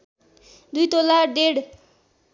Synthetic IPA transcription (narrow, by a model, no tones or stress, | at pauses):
d̪ujt̪olaɖeɽ